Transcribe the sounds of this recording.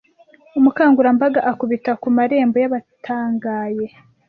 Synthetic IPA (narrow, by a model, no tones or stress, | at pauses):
umukaːŋɡuɾambaɡaʔakuβitakumaɾe̞ːmbojaβatʰaːŋɡaːje̞